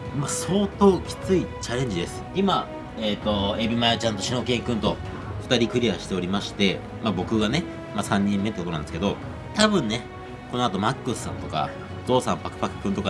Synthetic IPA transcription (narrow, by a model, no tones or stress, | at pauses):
maso̞ːt̪o̞ːkʲi̥t͡sɨit͡ɕaɾʲẽ̞ɲ̟d͡ʑid̪e̞sɨ̥ima | et̪o̞ebʲimaeat͡ɕãnt̪o̞ɕino̞kẽ̞ŋkɯ̟̃nt̪o̞ | ɸɯ̟̥t̪aɾʲikɯ̟ɾʲiaɕi̥t̪e̞o̞ɾʲimaɕi̥t̪e̞ | mabo̞kɯ̟ɡane̞ | masãɲ̟ːĩmːe̞t̪ekot̪onãnd̪esɨ̥ke̞d̪o̞ | t̪abɯ̟̃nːe̞ | ko̞no̞at̪o̞makːɯsɨ̥sã̰nt̪o̞ka̰ | d̪o̞ːsã̰mpakɯ̟̥pakɯ̟̥kːɯ̟nt̪o̞ka